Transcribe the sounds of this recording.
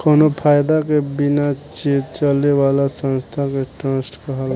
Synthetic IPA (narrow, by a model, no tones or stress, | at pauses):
konopʰaːjd̪akebɪnat͡ʃeːt͡ʃəlewaːlasə̃nst̪ʰakeʈɾə̃sʈkəɦəl